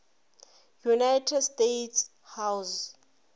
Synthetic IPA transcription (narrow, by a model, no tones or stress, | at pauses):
junajtʰɛdstetʰs | haws